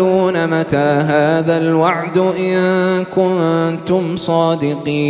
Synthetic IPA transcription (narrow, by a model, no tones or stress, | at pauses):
uːnamat̪aːɦaːðalwɑʕd̪ʔɪnkʊnt̪ʊmsˤɑːd̪ɪqiː